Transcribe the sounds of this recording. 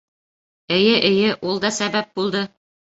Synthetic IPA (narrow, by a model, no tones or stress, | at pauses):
ɘ̆jɘʔɘ̆jɘʔulˠd̪ɑsæβæp̚bulˠd̪ɤ